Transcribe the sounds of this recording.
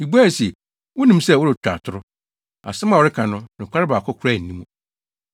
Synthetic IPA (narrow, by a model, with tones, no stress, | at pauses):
i˨bu˦a˦˨si˨ | wʊ˦nĩ˦msɛ˦˨wʊ˦ɾɪ˨t͡ɕᶣa̰˨tʰʊ˦ɾʊ˦ | a̰˨sɛ˦mã˨wʊ˨ɾɪ˦kʰã˨nʊ̃˦nʊ̃˨kʰʷa˦ɾɪ˦ba˨kʰɔ˦kʰʊ˨ɾa˦˨n̩˨nĩ˦mũ˨